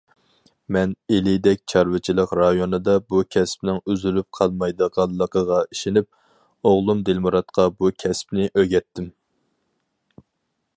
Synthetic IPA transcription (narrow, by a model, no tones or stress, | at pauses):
mɛnelɪd̪ɛk̚ʲt͡ʃʰɑɾwɨt͡ʃʰilˠəqɾɑjonɨd̪ɑbukʲʰɛspnɪŋyzylyp̚qʰɑlˠmɑjd̪əʁɑlˠːəqəʁɑiʃɪnɪp̚ | oʁlˠumd̪ɪlmuɾɑt̪qʰɑbukʲʰɛsp̚nɪʔøɡʲɛt̪ːɪm